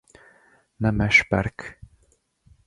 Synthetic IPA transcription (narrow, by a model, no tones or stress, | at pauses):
næmæʃpæɾk